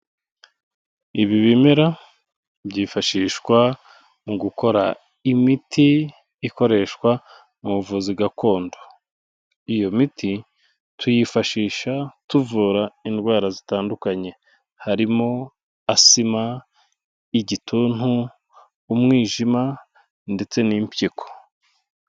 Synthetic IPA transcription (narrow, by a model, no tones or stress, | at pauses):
iβiβimeɾa | bɟifaʃiːʃkwa | muɡuko̞ɾa̰ | imitʰiː | ko̞ɾe̞ʃkwa | mumuvuzibɡako̞ːndo̞ | ijo̞miti | tʰujifaʃiːʃatuvuɾaindɡwaːɾazitaːndukaɲe̞ | haɾimo̞ | asima | iɟitʰun̥huː | mŋiːʒima | nde̞t͡se̞nimpjiko̥